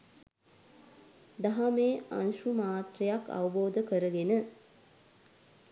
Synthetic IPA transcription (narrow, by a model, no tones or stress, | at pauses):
d̪aɦameːa̰nʃumaːt̪rejaka̰ʋəboːd̪əkəɾəɡenə